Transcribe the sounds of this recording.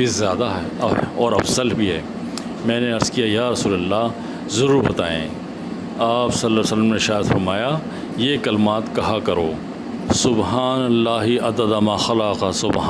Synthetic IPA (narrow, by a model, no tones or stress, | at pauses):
bizjaːd̪aɦɛːɐɔːɾɐfzəlbʱiɦɛː | mɛ̃ːneɐɾzkijajaːɾɐsuːlɐlːaː | zɐɾuːɾɦot̪aːḛ̃ː | aːpsɐlːasələmneɪʃaːd̪fɐɾmaːja | jeːkɐlɪmaːt̪kɐɦakɐɾo̰ː | sʊbɦaːnɐlːaːɦiʔɐd̪əd̪amãːxɐlaqasʊb